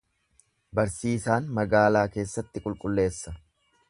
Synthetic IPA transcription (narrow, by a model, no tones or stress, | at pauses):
bɐɾsiːsaːnmɐɡaːlaːke̞ːsːɐt̪ːɪkʼʊlkʼʊlːe̞ːsːɐ